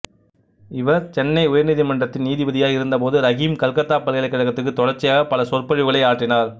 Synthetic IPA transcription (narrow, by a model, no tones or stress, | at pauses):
ɪʋɐɾt͡ʃɛnːɐɪʊjɐɾniːðɪmɐɳɖrɐt̪ːɪnniːðɪʋɐðɪjaːɣɪɾɯnd̪ɐp̬oːðɯɾɐɣiːmkɐlkɐt̪ːaːpːɐlɣɐɭɐɪkːɐɽɐɣɐt̪ːɯk̬ːɯt̪ːɔɽɐɾt͡ʃːɪjaːɣɐpɐlɐsɔrpɐɻɯɣɐɭɐɪaːʈrɪnaːɾ